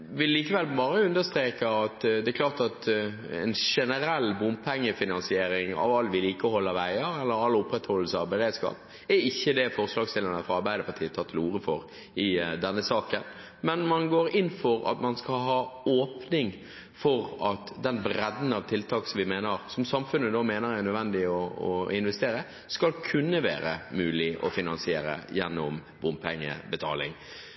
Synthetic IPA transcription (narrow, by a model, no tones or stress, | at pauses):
ʋɪlːiːkəʋɛlbɑːɾəʉnd̪əst̪ɾeːkəɑt̪d̪ɛɛklɑːʁt̪ɑt̪ | ɛ̰nʂɛnəɾɛlːbʊmpʰɛŋːəfɪnɑnsɪeːɾɪŋɑ̰ʋɑlːʋɪliːkəɔhɔlːəɾʋæɪəɾɛlːəɾɑlːʊpɾɛt̪hɔlːəsəɑʋbəɾeːd̪skɑ̰ːp | ɛɾɪçːəd̪ɛfɔɾslɑːɡsɪlənəfɔɑɾbæɪd̪əpʰɑt̪ʰiːət̪ʰɑːt̪ʰɪluːɾəfɔɾ | ɪd̪ɛnːəsɑːkən | mɛnmɑnɡoːɾɪnːfɔɾɑ̰t̪mɑnskɑlɦɑːoːpnɪŋ | fɔɾɑt̪d̪ɛnbɾɛd̪n̩ɑʋt̪ʰɪlt̪ʰɑːksɔmʋɪmeːnəɾsɔmsɑmfʉnːəd̪oːmeːnəɾæɾnœd̪ʋɛnd̪ɪɔɔɪnʋɛst̪eːɾə | skɑlkʰʉnːəʋæ̰ːɾəmʉːlɪʔɔ̰fɪnɑnsɪeːɾə̰jɛnːɔm | ʋʊnpʰɛŋːə̰bət̪ʰɑ̰ːlɪ̰ŋ